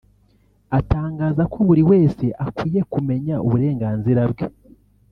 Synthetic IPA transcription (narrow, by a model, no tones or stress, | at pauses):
ataːŋɡaːzakoβuɾiwe̞ːse̞ʔakwiːje̞kume̞ɲauβuɾe̞ːŋɡaːnziɾabɡe